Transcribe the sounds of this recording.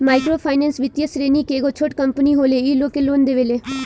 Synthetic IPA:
maːɪkɾoːpʰaːɪneːnsʋɪt̪jəsɾeːniːkeːɡot͡ʃʰoːʈkəmpəniːɦoːleːiːloːkeloːnd̪eːʋeːleː

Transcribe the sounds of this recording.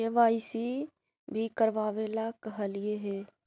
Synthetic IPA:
eʋaːisi | bʱikəɾʋaːʋelakɐɦəlɪeɦɛː

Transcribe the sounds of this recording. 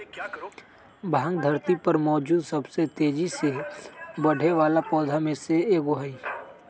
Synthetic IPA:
bʱãːŋɡd̪ʱɐɾt̪ipɐɾmɔːd͡ʒuːd̪sɐbset̪eːd͡ʒisebɐɽ̤ʱeʋaːlapɔːd̪ʱamẽseeːɡoɦaiː

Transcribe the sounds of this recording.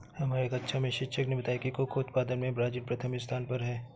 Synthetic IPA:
hɐmaːɾeeːkɐtːʃʰamẽʃɪkʃəknebɐt̪aːjakikokoːt̪paːd̪ənmẽbɾaːd͡ʒinpɾɐt̪ʰəmɪst̪ʰaːnpɐɾɦɛː

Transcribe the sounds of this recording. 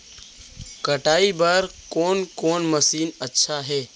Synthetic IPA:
kəʈaːibəɾkoːnkoːnməsiːnətːʃʰaɦɛː

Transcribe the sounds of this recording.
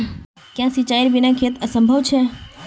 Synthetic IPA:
kjãsit͡ʃaiɾbinakʰet̪əsə̃mbʱəʋt͡ʃʰe

